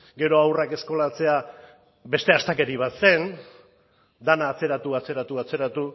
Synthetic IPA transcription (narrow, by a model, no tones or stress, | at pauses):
ɡe̞ɾo̞awrake̞sko̞lat͡se̞a | be̞st̪e̞ast̪ake̞ɾiβ̞at̪se̞n | d̪anaːt͡se̞ɾat̪uat͡se̞ɾat̪uat͡se̞ɾat̪u